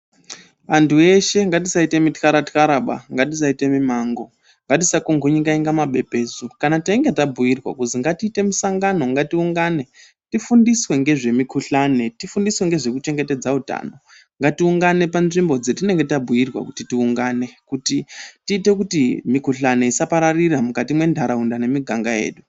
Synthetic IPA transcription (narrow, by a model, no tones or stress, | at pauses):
ʋantʰue̞ʃe̞ŋɡatisaite̞mitkaɾatkaɾaɓa̰ŋɡatis̬aite̞mimaːŋɡo̞ | ŋɡatisakuŋɡʱuɲiɡaiŋɡamaɓe̞pe̞ːzukanataiŋɡetabʱujirwa̰kuziŋɡatiːte̞misaŋɡano̞ŋɡatiuŋɡane̞ | tifundiswe̞ŋɡe̞ʐe̞mikuɬane̞tifundiswe̞ŋɡe̞ʐe̞kut͡ʃe̞ŋɡe̞te̞d͡zauta̰no̞ | ŋɡatiuŋɡane̞panʐimbo̞d͡zetine̞ŋɡe̞tabʱujirwa̰kutitiuŋɡaːne̞kutitiːte̞k̬utimikuɬane̞isapaɾariramukatimwe̞ndʱaɾaundane̞miɡʱaŋɡaje̞̰ːɗu